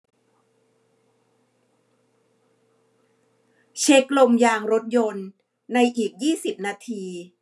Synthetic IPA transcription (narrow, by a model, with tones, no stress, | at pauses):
t͡ɕʰe˦˥k̚lo˧mjaː˧ŋɾo˦˥t̪̚jo˧nː | a˧jʔiː˨˩k̚jiː˥˩si˨˩p̚naː˧t̪ʰiː˧